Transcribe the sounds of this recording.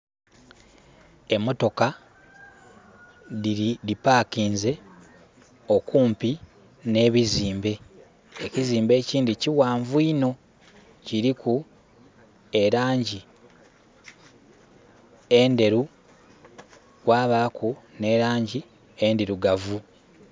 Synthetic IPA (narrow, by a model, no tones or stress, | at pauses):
e̞mo̞to̞ka | iipaːkiːnze̞ | o̞kuːmpi | ne̞ːβiziːmbe̞ | eciziːmbe̞ːciːndiciwaːɱvuino̞ | ciɾiku | e̞ɾaːɲɟi | ende̞ɾu | wwaːβakʰune̞ːɾaːɲɟi | endeɾuɡavu